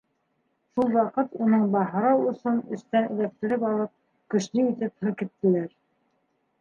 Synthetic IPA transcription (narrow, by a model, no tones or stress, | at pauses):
ʃulˠwɑqɤt̪unɤɴbɑɦɤ̆ɾɑwŏsɤnɵ̆st̪ænɘ̰̆ðæp̚t̪ɘ̆ɾɘpɑlˠɤp̚ | kɵ̆ʃlɘit̪ɘphɤkit̪ːɘ̆læɾ